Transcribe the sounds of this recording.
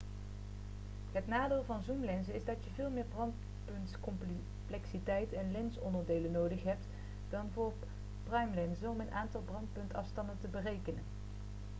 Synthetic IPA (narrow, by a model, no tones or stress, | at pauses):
ɦətnaːdɪːlˠvɑnzumlɛnzəɪzdɑtjəvɪːlˠmɪːɹbrɑnt | pɵntkɔmp | plɛksitɛjtɛnlɛnsɔ̰ndəɹdejlənowdəχɦɛp̚t | d̥ɑnvʊːɹ | prœjmlɛnzənɔmənʔaːntɑlˠbrɑntpɵntɑfstɑndəntəbərejkənən